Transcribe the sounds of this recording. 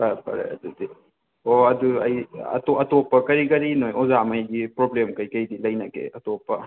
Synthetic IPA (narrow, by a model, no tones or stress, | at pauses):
pɐpɐ̰ɾḛɐ̰dudi | oɐduɐ̰jɐ̰toɐtopɐkɐɾiɡɐɾinojʔɔzamɐjɡipɾoblemkɐjkɐjdilɐjnakḛɐtopɐ